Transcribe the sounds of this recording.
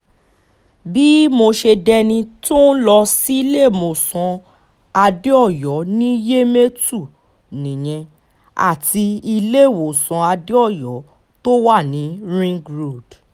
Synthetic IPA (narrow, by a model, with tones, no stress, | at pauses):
bi˦mo˧ʃe˧dɛ˧nĩ˧to˦n̩˦lɔ˧si˦i˧le˦˨mo˨sɔ̃˧ | a˧de˦ɔ˦˨jɔ˨˦nĩ˦je˦me˦tu˦˨ | nĩ˨j̃ɛ̃˧ | a̰˨ti˧i˧le˦˨wo˨sɔ̃˧a˧de˦ɔ˦˨jɔ˨˦ | to˦wa˦˨nĩ˨˦ɾĩ˦ɡɾo˦˨d̥